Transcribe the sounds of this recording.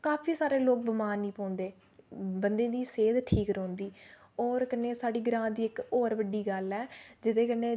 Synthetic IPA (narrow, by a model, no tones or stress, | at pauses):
kaːpʰiːsaːɾeːloːk̚bəmaːnːĩːpɔ̃ːnd̪eː | bənd̪ẽːd̪iːseːd̪ʈʰiːkɾɔ̃ːnd̪iː | ɔːɾkənːeːsaːɖiːɡɾãːd̪iːɪkɔːɾʋəɖiːɡəlɛːd͡ʒɪt̪ẽːkənẽː